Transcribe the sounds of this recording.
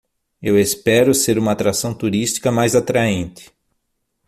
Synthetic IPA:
ewespɛɾʊseɾũmɐːt̪ɾasɐ̃w̃t̪uɾist̪i̥kɐmajzat̪ɾaẽnt̪ɪ̥

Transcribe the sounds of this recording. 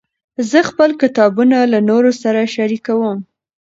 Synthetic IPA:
zəxpəlkɪt̪ɑbunalanoɾosaɾaʃaɾikawəm

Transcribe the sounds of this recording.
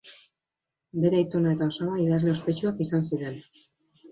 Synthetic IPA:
be̞ɾeit̪onae̞t̪aosaβaiðazle̞o̞spe̞t͡ʃuakisansiɾe̞n

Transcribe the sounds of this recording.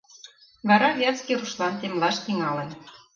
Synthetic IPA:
βɑɾɑβʲjæt͡skʲiɾuʃlɑnt̪emlɑʃt̪iŋɑlə̆n

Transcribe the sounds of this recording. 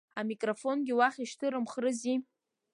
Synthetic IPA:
amikʼrofo̞nɡʲɪwaχʲiʃtʰɨɾɨmχrɨzi

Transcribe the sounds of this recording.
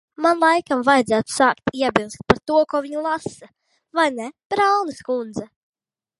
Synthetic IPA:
manlˠajkamvajd̪zæːt̪u̥saːkt̪iɛbʲilˠst̪̚paɾt̪uɔkuɔviɲulˠasa | vajnɛb̥ɾalˠnɨskund̪zɛ

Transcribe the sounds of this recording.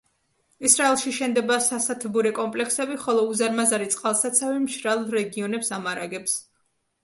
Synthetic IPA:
isɾaɛlˠʃiʃɛnd̪ɛbasasat̪ʰbuɾɛkʼɔmpʼlɛksɛbiχɔlˠɔuzaɾmazaɾit̪sʼqʼalˠsat̪sʰavimʃɾalˠɾɛɡiɔnɛpsamaɾaɡɛps

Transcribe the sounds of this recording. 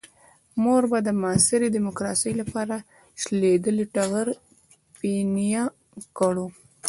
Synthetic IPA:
moɾbad̪əmːsɪɾid̪imokɾɑsəjlapɑɾa | ʃled̪əliʈaɣəɾ | pinija | kəɽu

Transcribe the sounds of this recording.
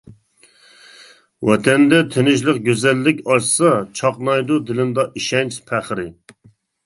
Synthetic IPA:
wɛt̪ʰɛnd̪ɛt̪ʰenɪʃlˠəq̚ɡʲøzɛlːɪkʲɑʃsɑt͡ʃʰɑqnɑjd̪ud̪ɪlɪnd̪ɑʔiʃɛnt͡ʃpʰæχɾɪ

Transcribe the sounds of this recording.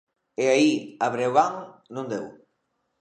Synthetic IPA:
eaiaβɾewaŋnũnd̪ew

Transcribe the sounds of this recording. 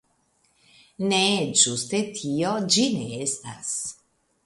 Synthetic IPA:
ned͡ʒust̪et̪ʰiod͡ʒineest̪a̰s

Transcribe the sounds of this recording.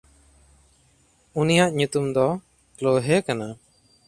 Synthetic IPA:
unijaʔɲut̪umd̪ɔ | kloɦɛkana

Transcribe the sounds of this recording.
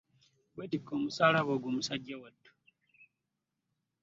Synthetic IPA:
ɡwetikʰːo̞ːmusaːlaβoːɡoːmusaɟːawatːu̥

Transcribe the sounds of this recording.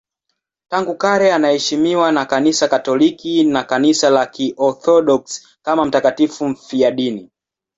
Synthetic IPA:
taŋɡukaɾɛanahɛʃimiwanakanisakatɔlikinakanisalakiʔɔθɔɗɔks | kamam̩takatifum̩fiaɗini

